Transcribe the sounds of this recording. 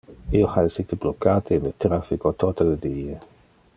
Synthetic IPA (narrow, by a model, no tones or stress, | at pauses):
ioxaesit̪eblokat̪iːnlet̪ɾafikot̪ɔt̪aled̪ie